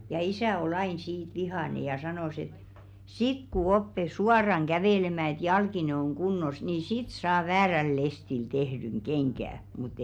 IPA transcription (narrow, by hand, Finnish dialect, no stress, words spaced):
jɑ isæˑ ol ɑin siːt ʋihɑˑne jɑ sɑnoˑs et sik ku opːe suɑrɑŋ ɡ̊æʋeˑlemæˑ et jɑlkine oŋ ɡ̊unːos niː sit sɑː ʋæːræl lestil tehdyŋ ɡ̊eŋɡ̊æˑ mut